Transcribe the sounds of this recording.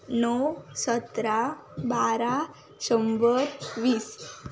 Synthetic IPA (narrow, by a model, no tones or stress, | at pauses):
nɔsət̪ɾabaɾa | ɕəmbəɾʋiːs